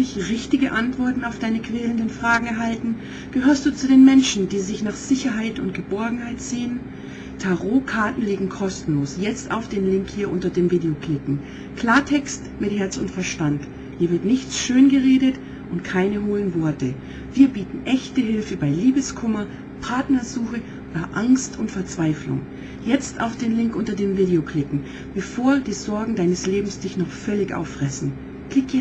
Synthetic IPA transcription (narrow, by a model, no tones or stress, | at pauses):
ɪçʁɪçtɪɡəʔantv̥ɔɐtn̩aʊfd̥aɪnəkv̥ɛːləndənfʁ̥aːɡŋ̩ɛɐɦaltn̩ | ɡ̥əɦhøːɐstd̥uːt͡sudeːnmɛnʃn̩diːzɪçnaːχz̥ɪçɐɦaɪtʊntɡ̥əbɔɐɡŋ̩haɪtz̥eːən | tʰaʁoːkʰaɐtn̩liːɡŋ̩kʰɔstn̩loːsjɛt͡sta̰ʊfd̥eːnlɪŋkhiːɐʔʊntɐdeːmviːdeokl̥ɪkŋ̩ | kl̥aːɐtʰɛkst | mɪthɛɐt͡sʊntfɛɐʃtant | hiːɐvɪɐtnɪçt͡sʃøːnɡəʁeːdət | ʔʊntkʰaɪnəɦoːənvɔɐtə | v̥iːɐbiːtn̩ʔɛçtəɦɪlfəbaɪliːbəskʰʊmɐ | pʰaɐtnɐzuːxə | oːdɐʔaŋstʰʊntfɛɐt͡sv̥aɪflʊ̰ŋ | jɛt͡sta̰ʊfd̥eːnlɪŋkʔʊntɐdeːmviːdeokʰl̥ɪkŋ̩ | b̥əfoːɐd̥iːzɔɐɡŋ̩daɪnəsleːbm̩sd̥ɪçnɔχfœlɪçʔa̰ʊfʁ̥ɛsn̩ | kl̥ɪkɛ